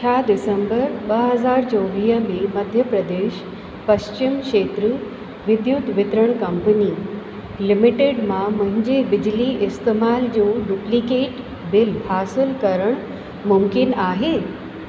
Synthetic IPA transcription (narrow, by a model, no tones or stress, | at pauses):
t͡ɕʰaːd̪ɪsə̃mbəɾɓɐɦɐzaːɾt͡ɕoːʋiːɦə̆mẽmɐd̪ʱjəpɾɐd̪eːʃ | pɐɕt͡ɕɪmkʃeːt̪ɾə | ʋɪd̪jʊt̪ʋɪt̪ɾəɽ̃kɐmpəni | lɪmɪʈeːɖmãmɐ̃ɦɪ̃ɲd͡ʑebɪd͡ʑliɪst̪eːmaːld͡ʑoːɖuplikeːʈ | bɪlhaːsɪlkɐɾəɽ̃ | mʊmkɪnaːɦeː